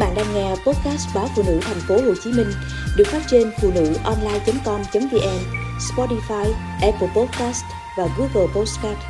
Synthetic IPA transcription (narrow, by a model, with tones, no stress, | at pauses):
ɓa̰ː˧˨nɗaː˧ŋŋɛ˧po˦˥t̚kaː˦˥st̚ɓaː˨˦fṵ˧˨nɨ̰˧˥t̪ʰɛ˨˩jŋ̟fo˨˦ho˨˩jt͡ɕi˨˦mï˧ŋ̟ | ɗɨ˨˩ək̚faː˦˥t̚t͡ɕe˧nfṵ˧˨nɨ̰˧˥ʔɔ˧nlaː˧jt͡ɕə˨˦mkɔ˧mt͡ɕə˨˦mvi˧ʔɛ˧mspɔ˧ti˧faː˧j | ʔɛ˧pə˧pɔ˦˥t̚kaː˦˥st | vaː˨˩ɣu˨˧˦ɣəː˨˩po˦˥ska˦˥t̚